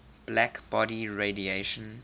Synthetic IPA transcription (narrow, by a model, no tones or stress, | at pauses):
b̥lækb̥ɔɾiɹedieʃə̃n